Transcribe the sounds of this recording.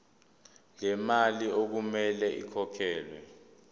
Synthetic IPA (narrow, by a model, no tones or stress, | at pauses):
lɛmaliok̬umɛlɛḭkʰɔkʰɛːlwɛ